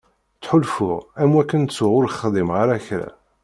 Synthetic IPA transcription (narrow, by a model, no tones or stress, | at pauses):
t͡sːħʊlfʊʁæmwækːənt͡sːʊʁʊɾχðˤimʁaɾæçɾæ̰